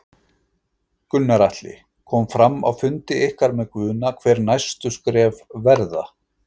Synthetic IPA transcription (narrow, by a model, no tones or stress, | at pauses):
kʏnːaɾaht̪lɪ̰ | kʰɔmfɾamːa̰wfʏnt̪ɪɪhkaɾmɛðkvʏːnakʰvɛːɾnajst̪ʏskɾɛːvvɛɾða